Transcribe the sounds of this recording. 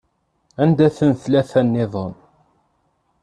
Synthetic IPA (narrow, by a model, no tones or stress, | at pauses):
ænd̪æθənθlæθænːɪðˤən